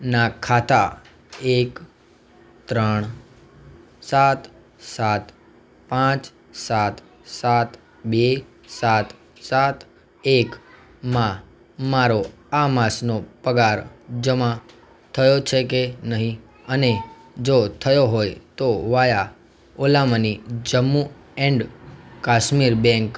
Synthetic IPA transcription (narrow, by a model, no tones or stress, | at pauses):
nakʰat̪a | ek | t̪ɾəɳ̃ | sat̪ | sat̪ | pãt͡ʃ | sat̪ | sat̪ | ɓe | sat̪ | sat̪ʰ | ek | mã | maɾo | amasnopəɡaɾd͡ʒəmã | t̪ʰəjot͡ʃʰekenəɦĩ | əne | d͡ʒot̪ʰəjoɦojt̪oʋaja | olamənid͡ʒəmːu | ɛɳɖkaʃmiɾbɛ̃ŋk